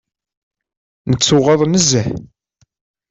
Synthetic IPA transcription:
nət͡sːʊʁɑðˤnəzæħ

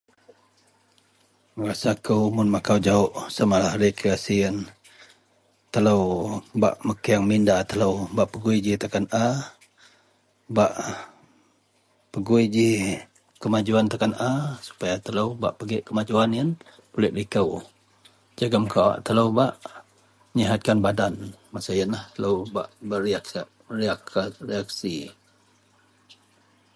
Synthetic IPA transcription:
əɾasakəwmʊnmakawd͡ʒaʊʔsamalahɾikasiən | t̪ələwba̰ʔməkiaŋmindat̪ələwbaʔpəɡuid͡ʒit̪akana | baʔ | pəɡuid͡ʒi | kəmad͡ʒuant̪akanasu̥pajat̪ələwba̰ʔpəɡɪʔkəmad͡ʒuaniən | pulɪʔlikəw | d͡ʒaɡəmkawa̰ʔt̪ələwbaʔ | əɲiɦat̪̚kanbadanmasajənlaht̪ələwbaʔbəriak | riakariak̚si

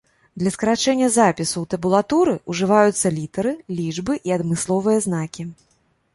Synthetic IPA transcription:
d̪lʲɐskɐɾat͡ʂɛnʲːɐzapʲisut̪ɐbulˠat̪uɾɨuʐɨvajut̪sːɐlʲit̪ɐɾɨlʲid͡ʐbɨʔiɐd̪mɨslˠɔvɨjɐznakʲi

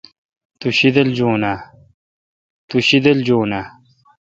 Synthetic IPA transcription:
t̪uɕid̪ɐld͡ʑoːnaː | t̪uɕid̪ɐld͡ʑoːnaː

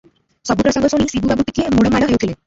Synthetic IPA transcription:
sɔbupɾɔsɔŋɡɔsɔɽ̃isibubabuʈikeemuɽɔmaɽɔɦewt̪ʰile

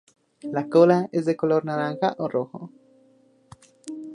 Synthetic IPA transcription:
lakolaezðekoloɾnalaŋxaʔoroxo̰

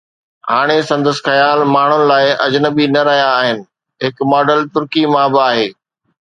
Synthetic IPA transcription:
ɦaːɽ̃esɐ̃nd̪əsxɐjaːlmaːɳ̤ʊnɪ̆laːɪʔɐd͡ʑnəbinɐɾɐɦjaːɦɪnɪ̆ | ɦɪkmɔːɖəlt̪ʊɾkimãbɪaːɦeː

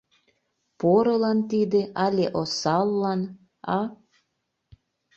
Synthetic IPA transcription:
poɾɤlɑnt̪id̪eʔɑlʲeʔosɑlːɑn | ɑ

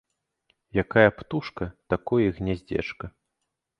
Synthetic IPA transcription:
jakajɐpt̪uʂkɐt̪akɔjiɣnʲɛzʲd͡zʲɛ̰t͡ʂkɐ

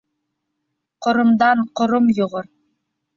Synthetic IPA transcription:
qŏɾŏmd̪ɑɴqŏɾomjŏʁoɾ

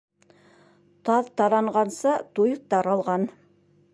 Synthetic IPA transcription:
t̪ʰɑðt̪ʰɑɾɑɴʁɑnsət̪ʰujəp̚t̪ɑɾɑlˠʁɑn

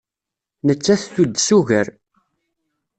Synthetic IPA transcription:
nət͡sːæθθud̪suʝəɾ

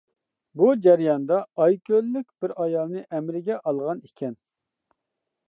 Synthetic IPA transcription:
bud͡ʒɛɾjɑnd̪ɑːjkʲʰølːyk̚ʲbɪɾɑjɑlˠnɨʔɛmɾɪɡʲɛʔɑlˠʁɑnikʲʰɛn

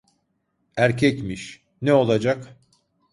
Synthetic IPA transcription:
æɾcʰɛcmiʃ | nɛo̞lˠad͡ʒak

